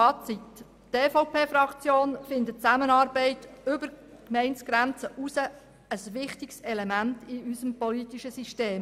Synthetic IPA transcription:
ɑːt͡sit | teːfɔʊpʰeːfɾɑkt͡sjoːnfɪnd̪ət̚t͡sæmənɑːɾbɛɪtʏbəɾkmɛɪnsɡ̥ɾænt͡səʔusə | əsʋɪχtɪksɛlɛmæntɪysəmpɔlit̪iʃəsiʃteːm

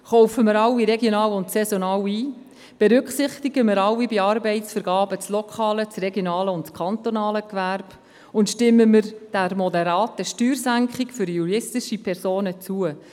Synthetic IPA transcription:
χɔwfəmɪɾɑwːiɾɛɡjonɑːwʊntsɛzɔnɑːwiː | b̥ɛɾʏkχsɪχt̪iɡəməɾɑwːibiɑɾbɛɪtsfəɾɡɑːbət͡slɔkʰχɑːlət͡srɛɡjonɑːləʊntt͡skχɑnt̪onɑːləkʋærb̥ | ʊntʃtɪmːəmɪɾd̥ærmɔdɛɾɑːtəʃtyːrsæŋkχɪkfʏɾjuɾɪstɪʃipʰɛrzoːnət͡suə

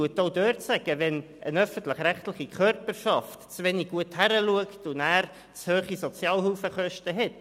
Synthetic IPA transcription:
uətoʊdøːɾtsæɡ̥əvɛn | ʔənœfən̩tlɪχɾæχtlɪχikʰœɾpərʃɑftt͡sʋɛniɡ̚ɡ̥uəthæɾəluəktʊnæːɾ | t͡shøːχisɔt͡sjɑːlhuːfəχœʃtəɦɛt

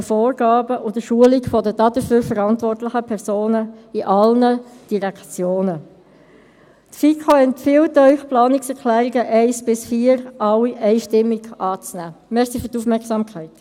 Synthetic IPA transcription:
əfoːrɡ̥ɑːbəʔʊdəʃuəlikfɔdədɑdəfyːɾfəɾɑntʋɔrtlɪχəpʰɛʁsoːnəiʔɑlnəd̥iʁɛkt͡sjoːnə | tfikʰoɛntfiltœʏχplɑːnɪksɛʁkʰlæːʁiɡəʔɛɪsb̥ɪsfiːəɾɑwiʔɛɪʃtɪmːiɡʔɑːt͡snæːmɛʁsiføʁtufmɛʁksɑːmkʰæɪt

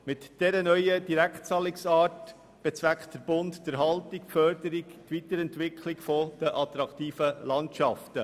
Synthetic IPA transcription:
mɪtd̥ɛɾənœʏəd̥iɾæktt͡sɑːlɪksɑːt | b̥ɛt͡sʋæktd̥əɾb̥ʊndd̥əɾɦɑltikfœɾdəɾikt̪vit̪əɾɛntʋɪkʰlɪkfɔd̥əʔɑt̪ɾɑktiːfəlɑntʃɑftə

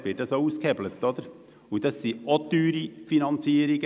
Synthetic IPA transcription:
ʋɪt̚dɑsouːskhɛblət̪ːɔd̪əɾ | ud̥̪ɑsːiot̪yːɾifinɑnt͡siːəɾiɡə

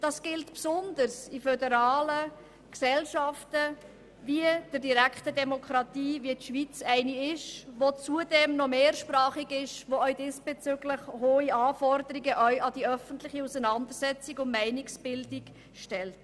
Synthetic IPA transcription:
d̥ɑsɡ̥ɪltpsʊndəɾsifœdəɾɑːlə | ksɛlʃɑftə | viəd̥əɾdiɾækχtədɛmɔkʰɾɑtiːviətʃʋit͡sæɪniɪʃʋot͡suədɛmnɔmeːrʃprɑːχiɡɪʃʋoœɥdɪːsb̥ɛt͡sʏɡləχhoːiʔɑːfɔrdəɾiɡəʔœɥʔɑd̥iœfən̩tlɪχiusənɑndəɾsɛt͡siɡʊnmæɪniksb̥ɪldik | ʃtɛlt

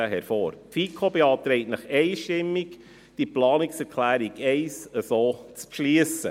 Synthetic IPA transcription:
əɦɛɾfoːɾtfiːkʰobeɑːt̪ɾɛɪtnɑχeɪʃtɪmːik | d̥iplɑːniksɛɾkʰlæːɾiɡɛɪsəsoːt͡spʃliəsə̰

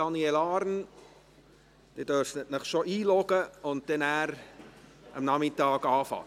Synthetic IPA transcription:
ɑnielɑːɾn | d̥edøɾfət̚nɪχʃoʔiːlɔɡəʊnt̚d̥ɛnæːɾ | ʔɑ̰mnɑmɪtɑːkɑːfɑ̰

